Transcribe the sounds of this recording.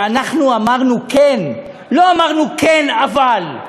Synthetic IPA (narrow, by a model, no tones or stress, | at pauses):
anaχnuamaʁnuken | lo̞amaʁnukenaval